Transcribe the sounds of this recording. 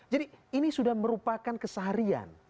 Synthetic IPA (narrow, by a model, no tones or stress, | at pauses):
d͡ʒadiinisudahməɾupakankəsəɦaɾia̰n